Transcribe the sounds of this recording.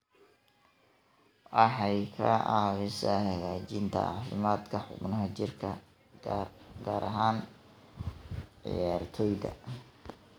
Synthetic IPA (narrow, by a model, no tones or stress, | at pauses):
ʔɑħɑjkʰɐʔɑːβɪsɐhɐɣaːt͡ʃɪnt̪ʰɐ̰ɑːfɪmaːd̪kʰɐħʊ̰bnɐɦɐt͡ʃɪrkʰɐ | ɡaːɾʔɐɦaːn | ʕɪ̰jaːrt̪ʰɔjdɐ̰